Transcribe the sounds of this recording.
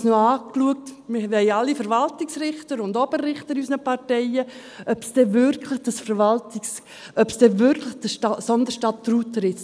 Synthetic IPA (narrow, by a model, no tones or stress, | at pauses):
snoɑːkluək̚tmɪvɛɪɑlːifəɾvɑltɪksɾɪχtəɾʊndɔbəɾɾɪχtəɾysnəpʰɑɾtɛɪə | œpsd̥ɛvʏɾkʰlɪχd̥əsfəɾvɑltɪks | œpsd̥ɛvʏɾkʰlɪχd̥əʃtɑsɔndəʃtɑttɾuːtəɾɪ